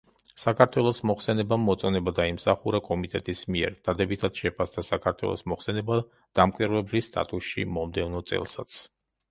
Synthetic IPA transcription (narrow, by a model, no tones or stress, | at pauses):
sakʰaɾt̪ʰwɛlˠɔsmɔχsɛnɛbamːɔt̪sʼɔnɛbad̪aimsaχuɾakʼɔmit̪ʼɛt̪ʼismiɛ̰ɾd̪̥ad̪ɛbit̪ʰat̪sʃɛpʰasd̪asakʰaɾt̪ʰwɛ̰lˠɔ̰smɔχsɛnɛba | d̪̥amkʼwiɾvɛblist̪ʼa̰t̪ʼusʃḭmɔmd̪ɛvnɔt̪sʼɛ̰lˠsat̪sʰ